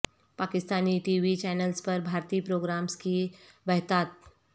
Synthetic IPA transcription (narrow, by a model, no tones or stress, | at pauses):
paːkɪst̪aːniʈiːʋit͡ʃɛːnəlspəɾbʱaːɾt̪iːpɾoːɡɾaːmski | bəɦt̪aːt̪̚